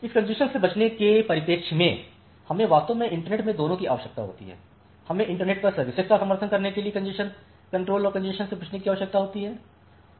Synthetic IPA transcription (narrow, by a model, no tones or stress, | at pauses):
ɪskɐ̃ɲd͡ʒɪʃənsebɐt͡ʃnekepɐɾɪpeːkʃmẽ | hɐmẽʋaːst̪õmẽɪ̃ɳʈəɾneːʈmẽd̪oːnõkiaːʋəʃək̚t̪a̰ɦo̰ːt̪ḭɦɛ̰ː | hɐmẽʔɪ̃ɳʈəɾneːʈ̚pɐɾsɐɾʋɪsezkasɐ̃məɾt̪ʰənkɐɾnekeliekɐ̃d͡ʒɪʃən | kɐ̃ɳʈɾoːlɔːɾkɐ̃ɲd͡ʒɪʃənsebɐt͡ʃʰnekiaːʋəʃək̚t̪aɦoːt̪iɦɛː